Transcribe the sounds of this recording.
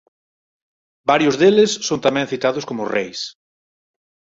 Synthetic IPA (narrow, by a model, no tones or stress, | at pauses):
baɾjʊzðelɪsːont̪amɛ̃ŋθit̪aðʊskomʊrejs